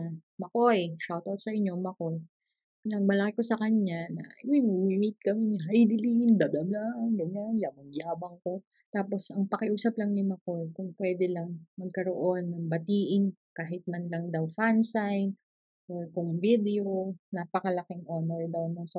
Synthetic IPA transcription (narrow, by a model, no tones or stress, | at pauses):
mɐkoʔʃawt̪awt̪sɐʔɪɲːo̞mɐkoj | pilaŋmɐlɐkɪkosɐkɐɲanɐ̰ɪmojmɐɡwimɪt̪̚kɐmɪnɪɦajd̪ɪlind̪ɐd̪ɐlanɡɐɲanjamɐŋjaːbɐŋko̞ | t̪aːpo̞sɐŋpɐkɪʔuːsɐplɐŋnɪmɐkojkʊŋpwɛːd̪ɛlɐŋmɐɡ̚kɐɾoʔo̞nːɐŋbɐt̪iːʔɪnkaːɦɪt̪̚mɐnlɐŋd̪awfansajn | ʔokʊŋvid̪ɛonapɐkɐlɐkɪŋʔonɛɹd̪awnɐŋsɐ